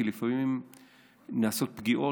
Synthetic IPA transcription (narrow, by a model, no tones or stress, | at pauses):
ilifamimim | naːso̞t̪̚pɡiʔo̞